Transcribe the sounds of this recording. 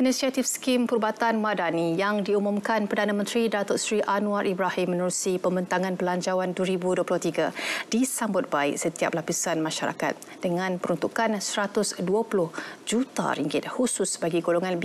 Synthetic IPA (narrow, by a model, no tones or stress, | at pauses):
inĩsiat̪ifskimpurbat̪anmadanijaŋdiumũmkanpərdanãmə̃nt̪ɾidat̪ɔtsɾiʔanũaɾʔibɾahɪmːənuɾusipəmbənt̪aŋãnpəlaɲt͡ʃawanduəɾibuduəplʊht̪iɡad̥isambʊt̪̚baɪksət̪ia̰p̚lapisanmãʃaɾa̰ka̰t̪̚ | d̥əŋãnpəɾunt̪ukansəɾat̪ʊsduapulʊhd͡ʒut̪a̰ɾiŋɡɪt̪̚husʊsbaɡiɡoloŋãnb